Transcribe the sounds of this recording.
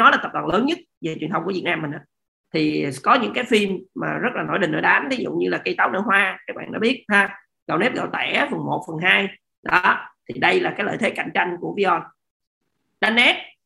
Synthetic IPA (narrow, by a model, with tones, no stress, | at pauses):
nɔ˨˦laː˨˩t̪ə˨˩ɗə̰˧˩ləː˨˦nɲɨ˦˥t̚ve˨˩t͡ɕwi˨˩ənt̪ə˧wŋ͡mku˧˩i˨˩t̚naː˧mː˨˩ŋ̟ʔa̰ː˨˦ | t̪ʰi˨˩kɔ˨˦ɲɨ̰˧˥ŋkaː˨˦jfi˧mma̰ː˨˩zə˦˥laː˨˩no˧˩jɗï˨˩ŋ̟ʔəː˧˩ɗaː˨˦mt̪ʰi˨˦z̰ɲɨ˧laː˨˩kə˧jt̪aː˨˦wnə̰ː˧˩jɦwaː˧kaː˨˦˥k̚ɓa̰ː˧˨nɔ̰˨˦ɓi˦˥ət̚haː˧ | ɣə˨˩wnɛ˦˥p̚ɣə̰˨˩wt̪a̰ː˧˩˨ʔaː˨˦fə˨˩nmo˨˩t̚fə˨˩nɦaː˧j | ɗɔ˨˦t̪ʰi˨˩ɗə˧jlaː˨˩kaː˨˦jlə̰ː˧˨jt̪ʰe˨˦ka̰˧˩˨jŋ̟t͡ɕa˧jŋ̟ku˧˩əvi˧zɔ˧n | ɗaː˧nʔɛ˦˥t̚